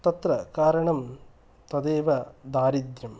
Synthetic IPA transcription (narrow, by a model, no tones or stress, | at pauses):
t̪ɐt̪ɾɐkaːɾɐɳɐm | t̪ɐd̪eːʋɐd̪aːɾid̪jɐm